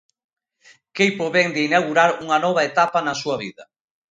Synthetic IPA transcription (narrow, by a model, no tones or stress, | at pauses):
kejpoβeŋd̪einawɣuɾaɾuŋanɔβ̞aet̪apanasuɐβ̞ḭðɐ